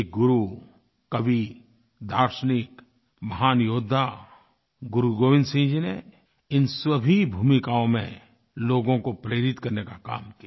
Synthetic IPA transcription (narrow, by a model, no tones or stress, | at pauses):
ek̚ɡʊɾu | kɐʋi | d̪ʱaːɾʃənɪk | mɐɦaːnjoːd̪ʱːa | ɡʊɾuɡoːʋɪ̃nd̪sĩːd͡ʒine | ɪnswɐbʱibʱuːmɪkaːõmḛ̃ | loːɡõkopɾeːɾɪt̪kɐɾnekaka̰ːmkija